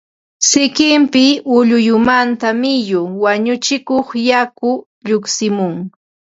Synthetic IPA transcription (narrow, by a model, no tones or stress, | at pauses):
sɪkɪmpɪʊʎʊjʊmant̪amɪjʊwaɲʊt͡ʃɪkoχjakʊ | ʎʊksɪmʊŋ